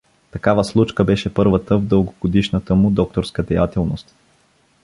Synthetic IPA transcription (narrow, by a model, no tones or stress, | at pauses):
t̪ɐkavəslˠut͡ʃkəbɛʃɛpɤɾvət̪əvd̪ɤlˠɡoɡod̪iʃnət̪əmʊd̪ɔk̚t̪oɾskəd̪ɛjat̪ɛlˠnost̪